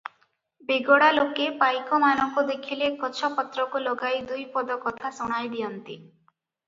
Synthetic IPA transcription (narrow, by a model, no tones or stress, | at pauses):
beɡɔɽalokepajkɔmanɔŋkud̪ekʰilekɔt͡ʃʰɔpɔt̪ɾɔkulɔɡajd̪ujpɔd̪ɔkɔt̪ʰasuɽ̃ajd̪ijɔnt̪i